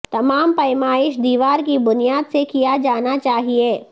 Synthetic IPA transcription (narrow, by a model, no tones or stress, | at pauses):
t̪ɐmaːmpɐɪmaːɪʃd̪iːʋaːɾkibʊnijaːd̪sekijad͡ʒaːnat͡ʃaːɦieː